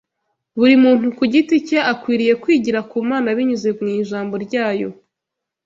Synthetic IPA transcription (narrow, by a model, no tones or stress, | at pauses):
βuɾimuːn̥hukuɟiticaʔakwiːɾije̞kwiːɟiɾakumaːnaβiɲuze̞mŋiːʒaːmbo̞ɾɟaːjo̞̰